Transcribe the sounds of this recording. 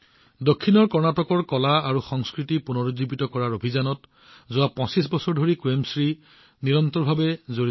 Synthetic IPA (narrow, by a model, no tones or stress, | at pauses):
dokʰːinɔɹkɔɹnatɔkɔɹkɔlaaɹuxɔŋskɹitipunɔɹozibitɔkɔɹaɹobʱizanɔt | zʊwapɔ̃sisbɔsɔɹdʱoɹikwemsɹi | niɹɔntɔɹbʱabɛzoɹi